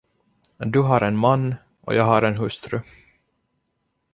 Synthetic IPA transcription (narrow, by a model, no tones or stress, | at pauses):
d̪ɵɦaɾɛnmanː | ʔɔ̰jɑːɡɦaɾɛnɦɵst̪ɾɵ